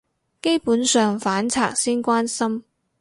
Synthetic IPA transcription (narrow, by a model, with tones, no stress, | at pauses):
ke˥jpuː˨˥nsœː˨˧ŋfaː˨˥nt͡sʰa̰ː˨k̚siː˥nkʷaː˥nsɐ˥m